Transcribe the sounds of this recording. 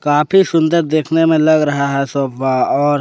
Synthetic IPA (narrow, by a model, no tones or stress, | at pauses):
kaːpʰisʊ̃nd̪əɾd̪eːkʰnemẽlɐɡɾɐɦaɦɛsoːpaɔːɾ